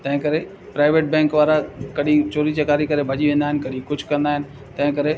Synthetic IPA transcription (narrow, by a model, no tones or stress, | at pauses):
t̪ɐ̃ɦɪ̃kɐɾe | pɾaːɪʋeːʈ̚bɛ̃ːŋkʋaːɾakɐɗĩt͡ɕoːɾit͡ɕɐkaːɾikɐɾebʱɐd͡ʑiʋẽːnd̪aɦɪnɪkɐɗĩkʊd͡ʑʱkɐɾə̃nd̪aːɦɪnɪ̆ | t̪ɐ̃ɦɪ̃kɐɾe